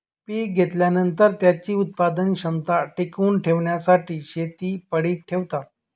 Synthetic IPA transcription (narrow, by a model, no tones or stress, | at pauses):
piɡʱet̪ljanənt̪əɾt̪jat͡ɕiːut̪̚pad̪ənɕəmt̪aʈikuːnʈʰeʋɳjasaʈiːɕet̪iːpəɽiːkʈʰeʋt̪a